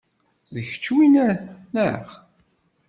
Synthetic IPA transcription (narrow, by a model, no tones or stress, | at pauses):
ðəçə̥t͡ʃːwinæɾnəχ